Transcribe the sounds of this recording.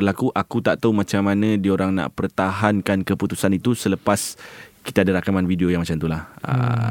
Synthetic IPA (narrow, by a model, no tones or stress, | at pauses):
ərlakuʔakut̪aʔt̪aumãt͡ʃamːanãdioɾaŋna̰ʔpərt̪aɦankankəput̪usanit̪usələpaski̥t̪aːdaɾakamanvidiojaŋmat͡ʃamt̪ulahə̰